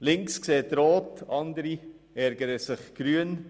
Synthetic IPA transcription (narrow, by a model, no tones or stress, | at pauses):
lɪŋkskseːtɾoːtɑnd̪əɾi | æɾɡəɾəsɪχɡ̥ɾyən